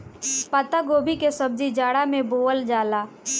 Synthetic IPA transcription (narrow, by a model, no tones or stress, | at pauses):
pət̪aɡoːbʱikesəb̚d͡ʒid͡ʒaːɽamẽboːəld͡ʒaːlaː